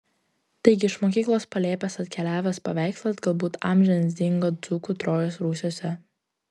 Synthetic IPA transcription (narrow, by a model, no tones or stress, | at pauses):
t̪ɐɪɡʲɪɪʃmoːkʲiːklˠoːspɐlʲeːpʲɛsɐt̪ʲkʲɛlʲæːʋʲespɐʋʲæˑɪksʲlʲˠɐzɡɐlˠbuːt̪ɑ̰ːmʲʒʲɛnʲsʲd̪ʲɪŋɡoːd̪zuːkuːt̪ɾoːjoːsɾuːsʲoːsʲɛ